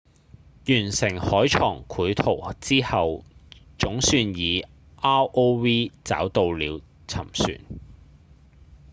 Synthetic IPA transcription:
jyː˨˩nsɪ˨˩ŋhɔː˨˥jt͡ʃʰɔː˨˩ŋkʰuː˨˥jt̪ʰo˨˩wt͡siː˥hɐ˨˧wt͡sʊ˨˥ŋsyː˧njiː˨˧ | ʔaː˥wʔo˥wwiː˥t͡sa̰ː˨˥wt̪o˧wliː˨˧w | t͡sʰɐ̰˨˩msy̰ː˨˩n

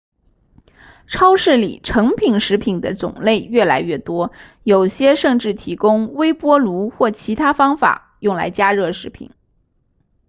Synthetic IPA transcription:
ʈ͡ʂʰɑ˥ʊʂɻ̩˥˩lḭ˨˩ʈ͡ʂʰɤ˧˥ŋpʰi˨˩ŋʂɻ̩˧˥pʰi˨˩ŋd̪ə˦t͡sʊ̰˨˩ŋle˥˧ɪɥɛ˥˩la˧˥ɪɥɛ˥˩t̪wɔ˥ | jo˨˩ʊɕjɛ˥ʂɤ˥˧ŋʈ͡ʂɻ̩˥˩t̪ʰi˧˥kʊ˥ŋwe˥ɪpwɔ˥lu˧˥xwɔ˥˩t͡ɕʰi˧˥t̪ʰa˥fɑ˥ŋfa̰˨˩ | jʊ˥˩ŋla̰˧˥ɪt͡ɕja˥ɻɤ˥˩ʂɻ̩˧˥pʰḭ˨˩˦n

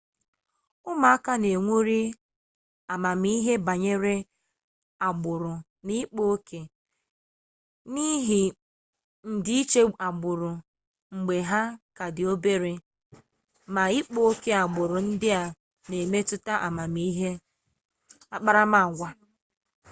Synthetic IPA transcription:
ʊ˦ma˨a˦ka˦ne˨ŋʷu˦ɾi˦ | a˨ma˨m˦i˦ɦe˦ba˨ɲe˦ɾe˦ | a˨ɡ͡bʊ˨ɾʊ˨ | ni˦k͡po˦kʰe˨ | ni˦ɦi˨ | n̩˨dɪ˦i˦t͡ʃe˦a˨ɡ͡bʊ˨ɾʊ˨ | ŋ͡m̩˨ɡ͡be˨ɦa˦ka˨dɪ˨o˦be˦ɾe˨ | ma˨i˦k͡po˦o˦ke˦a˨ɡ͡bʊ˨ɾʊ˨n̩˦dɪ˦a˨ | ne˨me˦tʊ˦ta˦ʔa̰˨ma˨mi˦ɦe˦ | a˨k͡pa˦ɾa˦ma˨ɡʷa˦

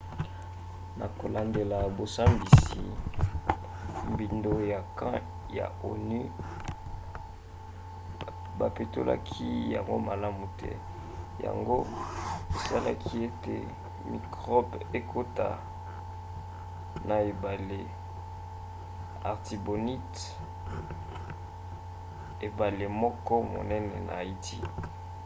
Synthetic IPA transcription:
na˨ko˨la˨nde˨la˨bo˨sa˦mbi˨si˨ | mbi˨ndo˨ja˨kã˦ | ja̰˨o˨ni˦ | ba˨pe˨to˦lʔa̰˦kʰi˦ja̰˨ŋɡo̰˦ma˨la˦mu˨tʰɛ̰˦ | ja̰˨ŋɡo˦e˨sa˦la˦kʰi˦e˦tḛ˨ | mi˨kʁɔ˦be˦kʰo˦ta˨ | na˨e˨ba˨le˨ | a˨ʁti˨bo˨ni˦t | e˨ba˨le˨mɔ˦kɔ˦mo̰˨nɛ˦nɛ˨na˨i˦ti˦

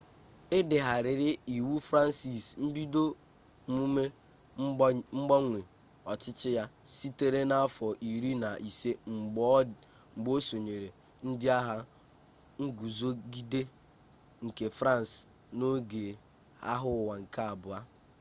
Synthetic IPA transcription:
ɪ˦dɪ˨ɦa˨ɾɪ˨ɾɪ˦i˨wu˦fɾa˦n˦si˨sn̩˦bi˦do˦ | mu˦me˦ | ŋ͡m̩˦ɡ͡bɔ˦ŋʷe˨ | ɔ˨t͡ʃɪ˦t͡ʃɪ˦ja˦si˦te˦ɾe˦na˦a˦fɔ˨ʔi˨ɾi˦na˨ʔi˨se˦ŋ͡m̩˨ɡ͡b | ŋ͡m̩˨ɡ͡bo˦so˨ɲe˨ɾe˨ | n̩˦dɪ˦a˦ɦa˦ | ŋ̩˦ɡu˨zo˦ɡi˦de˦ | ŋ̩˨ke˨fɾa˦˨n˨s | no˦ɡe˨ | a̰˦ɦʊ˦˨wa˨ŋ̩˨ka˦a˨bʊ˨a˦

